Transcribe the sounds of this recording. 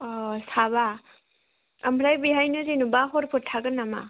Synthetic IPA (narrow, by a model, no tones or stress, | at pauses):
ɔsaβa | ambʰɾajbiɦajnɯzinubaɦɔɾpʰɯtʰːaɡɯnama̰